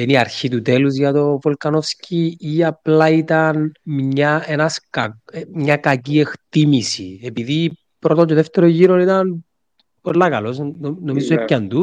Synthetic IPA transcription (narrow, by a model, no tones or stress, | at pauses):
eniɐɾçit̪ut̪eluzʝɐt̪o̞volkɐnofsciiɐplɐit̪ɐnmɲɐenɐskɐmɲɐkɐcie̞kt̪imisḭepiði | pɾot̪ocoðeft̪eɾoʝiɾonit̪ɐn | po̞lːɐkɐlo̞snomizuepcɐnd̪u